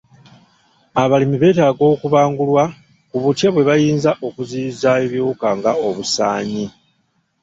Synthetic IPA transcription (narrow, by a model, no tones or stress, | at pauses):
aβalimiβe̞ːtaːɡo̞ːkuβaːŋɡulwa | kuβutjaβwe̞βajiːnzaʔo̞kuziːzaeβjoːkaŋɡao̞βusaːɲi